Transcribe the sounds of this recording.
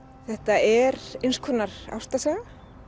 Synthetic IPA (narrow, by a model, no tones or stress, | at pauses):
θɛht̪aɛɾejnskʰɔnaɾ̥a̰wst̪asɛːɣa